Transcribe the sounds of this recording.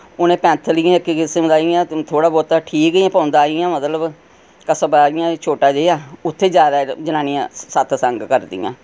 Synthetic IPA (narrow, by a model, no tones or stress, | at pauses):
ʊnẽːpɛ̃ːnt̪ʰəlɪjãːɪkːiːkɪsəmd̪aːijãːt̪ʰoːɽaːbɔːt̪aːʈʰiːkɡiːãːpãːnd̪aːɪjãːmət̪ləb | kəsəbaːɪjãːt͡ʃʰoːʈaːd͡ʒejaːʊt̪ʰːeːd͡ʒjaːd̪aːd͡ʒənãːnĩːã̰ːsət̪ʰsə̃ŋɡkəɾd̪ɪ̰jã̰ː